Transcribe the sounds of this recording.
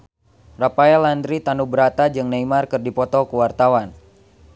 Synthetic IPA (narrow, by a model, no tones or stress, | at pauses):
rapaɛlandɾit̪anubəɾat̪ad͡ʒɨŋnaimarkɨrdipɔt̪ɔkuwart̪awan